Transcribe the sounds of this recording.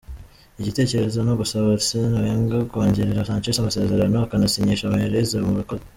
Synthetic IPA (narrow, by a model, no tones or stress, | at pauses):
iɟite̞ːce̞ɾe̞zo̞nuβusoβot͡sinaɾeːŋɡakoːɲɟeɾeɾasaːɲt͡ʃiʃamase̞ːze̞ɾanoakanasiɲiʃamaeɾezemuβikoz